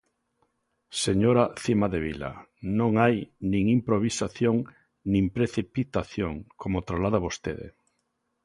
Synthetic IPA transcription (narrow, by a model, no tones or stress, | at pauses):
seɲoɾaθimaðeβila̰nõŋajnĩŋimpɾoβ̞isaθjoŋ | nĩmpɾeθipit̪aθjõŋkʰomot̪ɾalaðaβost̪ḛðḛ